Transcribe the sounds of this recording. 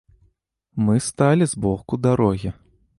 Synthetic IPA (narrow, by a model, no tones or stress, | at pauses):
mɨst̪alʲizbɔxkud̪aɾɔɣʲi